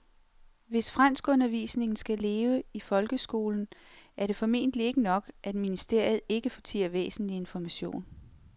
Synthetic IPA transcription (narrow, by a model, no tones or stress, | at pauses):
ʋe̝sfʁɑn̰sɡ̥ɔ̽nɐʋḭːsne̝ŋn̩sɡ̥æle̝ːʊəifɒ̽lɡ̥əsɡ̥o̝̰ːln̩æɐɾe̝fɒ̽me̝̰ːnd̥lie̝ɡ̥ənɒ̽ɡ̥ʔæd̥minisd̥e̝ɐ̰jð̞̩ˠe̝ɡ̥əfɒ̽t͡sʰḭːɐʋḛːsn̩lie̝nfɒmæɕo̝̰ːn